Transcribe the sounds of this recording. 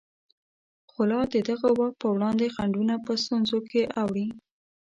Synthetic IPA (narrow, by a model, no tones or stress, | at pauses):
xʊlɑd̪əd̪aɣawax̚pəwɽɑnd̪exaɳɖunapəst̪unzokeʔawɽi